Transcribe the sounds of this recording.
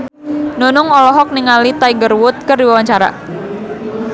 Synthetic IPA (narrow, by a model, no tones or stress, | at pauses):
nonʊŋɔlɔɦɔk̚niŋalit̪aiɡərwʊt̪̚kərdiwawaɲt͡ʃaɾa̰